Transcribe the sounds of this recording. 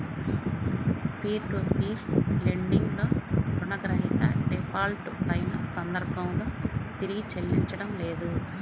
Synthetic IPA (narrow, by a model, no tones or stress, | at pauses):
pʰiːɾʈupiːɾleɳɖiŋɡloːɾunɐɡɐɾɐɦit̪ɐ̰ɖepʰaːlʈuɐjinɐsɐnd̪ɐɾbʱɐmlo̞ːt̪iɾiɡit͡ʃɐlːiɲt͡ʃɐɽɐmleːd̪u